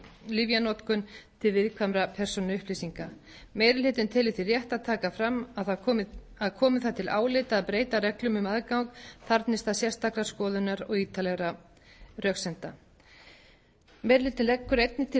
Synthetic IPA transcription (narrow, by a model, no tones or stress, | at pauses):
livjanɔt̪kʏnt̪ʰɪlvɪðkʰvamɾapʰɛɾ̥sɔnʏhplisiŋka | meːjɾɪlɪːt̪ɪnt̪ʰɪlɪθirjɛht̪aðt̪ʰaːkafɾamːaðθaɔ | aðkʰɔːmɪθat̪ʰɪlʔa̰ːwlɪt̪aːðpɾeːjt̪arɛklʏmʏmaðkawŋkθaɾt̪nɪst̪asjɛr̥st̪ʰaklaskɔːðʏnaɾɔɣiːt̪alɛɣɾa | rjœksɛnt̪a | mɛɾlɪːt̪ɪnlɛkːʏɾejt̪nɪt̪ʰɪ